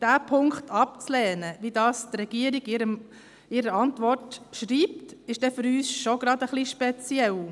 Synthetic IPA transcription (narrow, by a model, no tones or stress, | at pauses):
d̥æːpʰʊŋkχtʰɑp̚t͡slɛːnəʋidɑːst̪rɛɡ̥iəɾiɡɪɾəm | ɪɾəɑntʋɔrtʃɾiːp̚tɪʃd̥ɛfʏɾyːsʃoɡ̥ɾɑd̪əχliʃpɛt͡sjɛl